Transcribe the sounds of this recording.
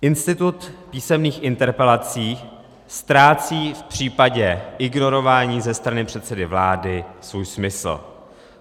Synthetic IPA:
ʔɪnst̪ɪt̪ut̪piːsɛmniːxʔɪnt̪ɛɾpɛlat͡siː | st̪ɾaːt͡siːfpr̝̥iːpaɟɛʔɪɡno̞ɾo̞vaːɲiːzɛst̪ɾanɪpr̝̥ɛt̪sɛdɪvlaːdɪsvuːjsmɪsl̩

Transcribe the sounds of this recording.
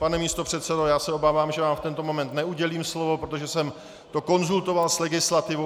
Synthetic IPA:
panɛmiːst̪o̞pr̝̥ɛt̪sɛdojaːsɛo̞baːvaːmʒɛvaːmft̪ɛnt̪o̞mo̞mɛnt̪nɛuɟɛliːmslo̞vo̞pɾot̪oʒɛsɛm | t̪o̞ko̞nzult̪o̞valslɛɡɪslat̪ɪvo

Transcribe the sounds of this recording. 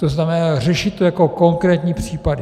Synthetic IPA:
t̪oznamɛnaːrɛʃɪt̪ːojako̞ko̞ŋkɾɛːt̪ɲiːpr̥iːpadɪ

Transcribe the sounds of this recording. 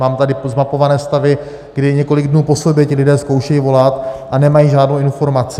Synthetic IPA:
maːmt̪adɪzmapo̞vanɛːst̪avɪ | ɡ̥dɪɲɛko̞lɪɡdnuːpo̞so̞bjɛcɪlɪdɛːsko̞wʃɛjivo̞lat̪ʔanɛmajiːʒaːdnowɪnfo̞ɾmat͡sɪ

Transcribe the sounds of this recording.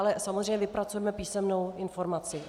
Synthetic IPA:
alɛsamozrejɲɛvɪpɾat͡sujɛmɛpiːsɛmno̞wɪnfo̞ɾmat͡sɪ

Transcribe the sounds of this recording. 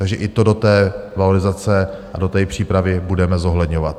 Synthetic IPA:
t̪aɡʒɛʔɪt̪o̞do̞t̪ɛːvalo̞ɾɪzat͡sɛʔado̞t̪ɛːpr̥iːpɾavɪbudɛmɛzo̞ɦlɛdɲo̞vat̪̚

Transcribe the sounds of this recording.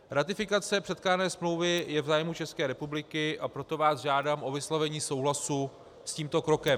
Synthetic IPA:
ɾat̪ɪfɪkat͡sɛpr̥ɛt̪klaːnɛːsmlo̞wvɪjɛvzaːjmut͡ʃɛskɛːɾɛpublɪkɪʔapɾo̞t̪o̞vaːsʒaːdaːmʔo̞vɪslavɛɲiːso̞wɦlasu | sciːmt̪o̞kɾo̞kɛm

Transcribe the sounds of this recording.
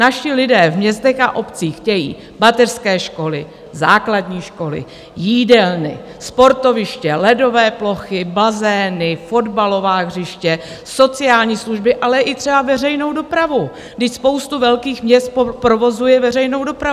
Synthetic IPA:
naʃɪlɪdɛːvmɲɛst̪ɛxa̰ʔo̞pt͡siːxcɛjḭː | bat̪ɛrskɛːʃko̞lɪ̰ | zaːkladɲiːʃko̞lɪ̰ | jiːdɛlnɪ̰ | spo̞ɾt̪o̞vɪʃcɛlɛdo̞vɛːplo̞xɪbazɛːnɪfo̞dbalo̞vaːɣr̝ɪʃcɛ | so̞t͡sɪaːlɲiːsluʒbɪʔalɛʔɪt̪r̝̥ɛbavɛr̝ɛjno̞wdo̞pɾavu | ɡdɪcspo̞wst̪uvɛlkiːxmɲɛst̪̚ppɾovo̞zujɛvɛrɛjno̞wdo̞pɾau

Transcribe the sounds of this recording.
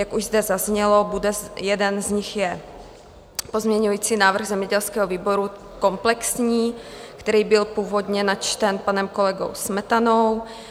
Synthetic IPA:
jakuʒzd̪ɛzazɲɛlobudɛjɛdɛnzɲɪxjɛ | pozmɲɛɲujiːt͡siːnaːvr̩ɣzɛmɲɛɟɛlskɛːɦoviːboɾu | ko̞mplɛksɲiːkt̪ɛɾiːbɪlpuːvo̞d̪ɲɛnat͡ʃt̪ɛnpanɛmko̞lɛɡo̰wsmɛt̪anow

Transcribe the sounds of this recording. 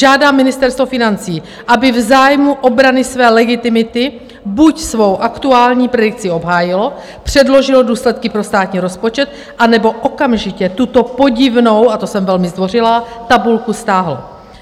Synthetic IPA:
ʒaːdaːmːɪnɪst̪ɛɾst̪vofɪnant͡siː | ʔabɪvzaːjmuʔo̞bɾanɪsvɛːlɛɡɪt̪ɪmɪt̪ɪ | bucsvo̞wʔakt̪uaːlɲiːpɾɛdɪk̚t͡sɪo̞bɦaːjɪlo̞ | pr̝̥ɛdlo̞ʒɪloduːslɛt̪kɪpɾo̞st̪aːt̪ɲiːɾo̞spo̞t͡ʃɛt̪̚ | ʔanɛbo̞ʔo̞kamʒɪcɛt̪ut̪o̞po̞ɟɪvno̞wʔat̪o̞sɛmvɛlmɪzd̪vo̞rɪlat̪abulkust̪aːɦlo̰

